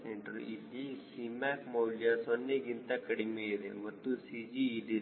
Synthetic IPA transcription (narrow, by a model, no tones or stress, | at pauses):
seɳʈɐɾ̰ilːisimaːkmɐwljasonːeɡint̪ɐkɐɽimeid̪ḛmɐt̪ːusid͡ʒiːɖi